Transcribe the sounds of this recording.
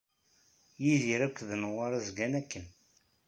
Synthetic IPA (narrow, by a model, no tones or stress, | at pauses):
jiðiɾækʷːðənəʁaɾˤæzɡænækːən